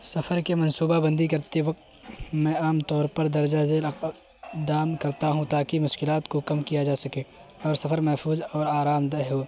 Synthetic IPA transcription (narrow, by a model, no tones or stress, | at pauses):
sɐfʰəɾkemɐ̃nsuːbabɐ̃nd̪ikɐɾt̪eʋɐq̚t̪ | mɛ̃aːmt̪ɔːɾpɐɾd̪ɐɾd͡ʒazeːl | d̪aːmkɐɾt̪aɦũt̪aːkimʊʃkɪlaːt̪kokɐmkijad͡ʒaːsɐke | ɔːɾsɐfʰəɾmɛɦfʰuːzɔːɾaːɾaːmd̪ɐɦoː